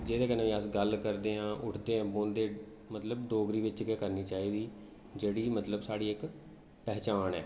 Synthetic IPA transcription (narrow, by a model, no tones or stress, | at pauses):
d͡ʒeːd̪eːkənãːʋiːəsɡəlkəɾd̪eːãːʔʊʈʰd̪eːãːbõːnd̪eː | mət̪ləbɖoːɡɾiːʋɪt͡ʃɡɛːkəɾniːt͡ʃaːiːd̪iː | d͡ʒeːɽiːmət̪ləbsaːɽiːɪk | pɛːt͡ʃaːnɛː